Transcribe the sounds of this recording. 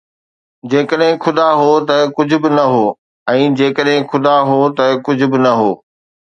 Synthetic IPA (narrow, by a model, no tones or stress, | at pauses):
d͡ʑeːkəɗɦɪ̃xʰʊd̪aɦoːt̪ɐkʊd͡ʑʱʊ̆bɪnɐɦoː | ɛ̃ːd͡ʑeːkəɗɦɪ̃xʰʊd̪aɦot̪ɐkʊd͡ʑʱʊ̆bɪnɐɦoː